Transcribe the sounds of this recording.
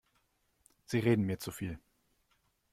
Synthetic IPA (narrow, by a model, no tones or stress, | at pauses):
z̥iːʁeːdn̩miːɐt͡sufiːl